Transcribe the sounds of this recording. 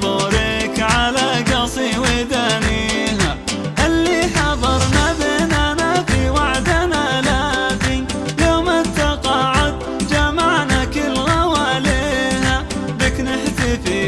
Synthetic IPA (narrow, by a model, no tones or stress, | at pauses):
ɑɾɪkʕalaɡɑsˤiwɪd̪aniɦa | ʔalːiħɑðˤɑɾˤnabɪnanafiwaʕd̪anaʔlazɪn | lawmat̪ːɑqɑʕʊd̪̚ | d͡ʒamaʕnakɪlɣawʕaleːha | bɪknɪħsifi